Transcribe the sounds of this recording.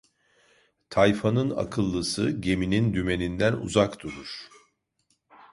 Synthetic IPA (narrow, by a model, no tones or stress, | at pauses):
t̪ʰajfanɯna̰kʰɯlˠːɯsɯɟe̞minind̪yme̞nind̪ænṵzakt̪uɾuɾ̥